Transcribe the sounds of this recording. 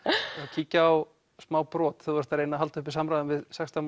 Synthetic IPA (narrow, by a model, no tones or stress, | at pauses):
acʰiːcaaw | smaːwpɾɔːt̪θuvaɾst̪ʰaɾejnaɦalt̪ʏhpɪ̥saːmɾajðʏnvɪðsɛkst̪am